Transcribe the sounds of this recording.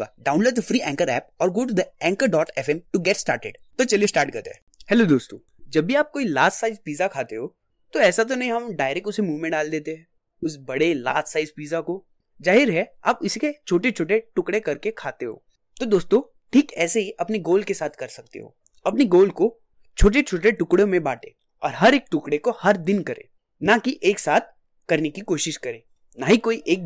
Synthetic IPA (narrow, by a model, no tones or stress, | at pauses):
a̰ɖãːʊ̃nloːʈ̚d̪əfɾiːɛ̃ːŋkəɾɛːp̚ɔːɾɡoːʈud̪əɛ̃ːŋkəɾɖɔːʈɛfɛ̃mʈuɡɛʈsʈa̰ːɾʈḛɖt̪ot͡ʃɐliesʈaːɾʈ̚kɐɾt̪ḛɛ | hɛlod̪oːst̪õː | d͡ʒɐbʱːiaːp̚koːila̰ːstsaːɪzpiːzakʰaːt̪eɦoː | t̪oɛːsat̪̬onɐɦĩɦɐmɖaːɪɾɛkʈʊsemuːʋmẽɖaːld̪eːt̪eɦɛ̃ː | ʊsbɐɽela̰ːstsaːɪzpiːzako | zaːɦɪɾɦɛa̰ːpɪsket͡ʃʰoːʈet͡ʃʰoːʈ̬eʈʊkɽekɐɾkekʰaːt̪eɦo̰ː | t̪od̪oːst̪õ | ʈʰiːkɛːseɦiʔɐpniɡoːlkesaːt̪ʰkɐɾsɐk̚t̪ḛɦo̰ː | ɐpniɡoːlko | t͡ʃʰoːʈ̬et͡ʃʰoːʈ̬eʈʊkɽõmẽbaːʈḛː | ɔ̰ːɾɦɐɾeːk̚ʈʊkɽekohɐɾd̪ɪnkɐɾḛ̃ː | nakiʔeːksaːt̪̚ʰ | kɐɾnekikoːʃɪʃkɐɾẽː | naɦikoːiʔeːk̚